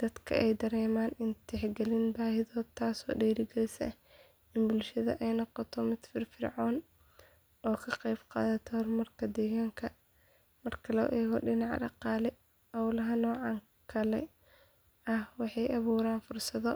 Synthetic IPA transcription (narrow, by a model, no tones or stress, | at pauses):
d̪̥ɐd̪kʰɐ̰ʔɛjd̪ɐɾɛːmaːnɪnt̪ʰɪħɡɛlɪnbaːhɪðɔːd̪tʰaːsɔ̰ːɖɛːɾɪɡɛlɪsɐh | ɪnbʊlʃɐðɐ̰ʔɛjnɔqɔt̪ʰɔmɪd̪fɪrfɪrʕɔːn | ɔːkʰɐqɛjbqɑ̰ːðɐt̪ʰɔrmɐrkʰɐd̪ɛːɣaːŋkʰɐ | mɐrkʰɐlɔ̰ːʔɛːɣɔɖɪnɑʕɖɑ̰qɑːlɛ | ɔwlɐɦɐnɔːʕɑŋ | kʰɐlɛ̰ | ɐhwɑħɑjʔɐβuːɾaːnfʊrsɐðɔ